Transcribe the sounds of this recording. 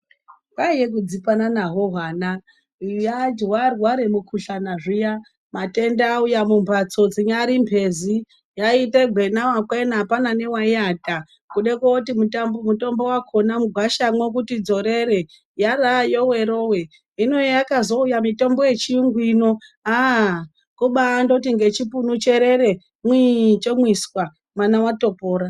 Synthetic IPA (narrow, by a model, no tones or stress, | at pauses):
kaijek̬ud͡zipananaɦoɦana | jad͡ʒwarwaɾemukʰuɬanaʐija | mate̞ndaːujamumbʱat͡so̞d͡ziɲaɾimpʰe̞zi | jaiteɡʱwe̞nawakwenapanane̞waiata | kuɗekotimutambomuto̞mbo̞wakʰonamuɡʱwaʃamwek̬utid͡zo̞ɾeɾe | jarajo̞we̞ɾo̞we | inojejakazo̞ujamito̞mbo̞je̞t͡ʃiŋɡwino̞a | kuɓandot̬iŋɡe̞t͡ʃipunut͡ʃeɾe̞ɾe̞ | mwit͡ʃemwiswa | mwanawato̞poːɾa